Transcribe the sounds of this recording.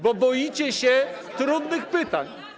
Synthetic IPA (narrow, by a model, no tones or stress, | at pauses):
bɔbɔjit͡ɕɛɕɛ | t̪ɾud̪nɘxpɘt̪aɲ